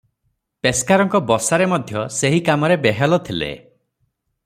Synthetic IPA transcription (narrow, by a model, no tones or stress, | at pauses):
peskaɾɔŋkɔbɔsaɾemɔd̪ʱjɔseɦikamɔɾebeɦalɔt̪ʰilḛ